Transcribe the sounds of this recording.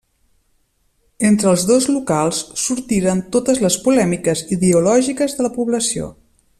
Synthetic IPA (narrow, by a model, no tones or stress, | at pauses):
ent̪ɾəːlˠzðozlukalˠsːuɾt̪iɾənt̪ot̪əzləspulɛmikəziðəulɔʒikəzðələpuβləsio̰